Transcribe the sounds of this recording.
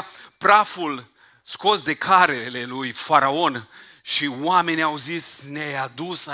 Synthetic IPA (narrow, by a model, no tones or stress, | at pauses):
pɾaful | sko̞sd̪e̞kʰaɾele̞lujfaɾao̞n | ʃiwame̞nʲiawzisnead̪us